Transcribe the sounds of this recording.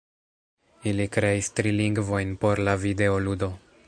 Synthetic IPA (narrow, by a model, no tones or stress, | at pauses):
ilikɾe̞istɾiliŋɡvo̞jnpo̞ɾlavide̞oludo̞